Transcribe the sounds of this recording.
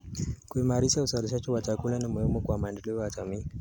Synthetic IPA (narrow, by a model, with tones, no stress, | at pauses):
kui˨maɾi˦sa˦u˨sa˨ɾi˨ʃ̬a˦t͡ʃi˦wa˨t͡ʃa˨ku˦la˦na˨mu˨hi˦mɔ˦kwa˨ma˨ndɛ˨li˦wa˨ta˨mi˦